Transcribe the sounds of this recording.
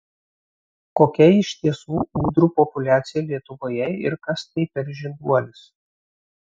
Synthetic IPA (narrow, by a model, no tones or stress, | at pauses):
koːkʲɛɪʃʲt̪ʲiɛsuːuːd̪ɾuːpɔpʊlʲæːt̪sʲɪjɛlʲiɛt̪ʊʋoːjɛɪ̰ɾkɐst̪ɐɪpʲɛɾʲʒʲɪnd̪uɔlʲɪs